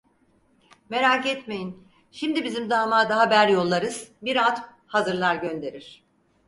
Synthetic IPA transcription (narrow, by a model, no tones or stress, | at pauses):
me̞ɾaːkɛt̪me̞jin | ʃimd̪ibizimd̪aːmaːd̪aɦabæɾjo̞lˠːaɾɯz̥biɾat̪ | hazɯɾlˠaɾɟø̞nd̪e̞ɾiɾ̥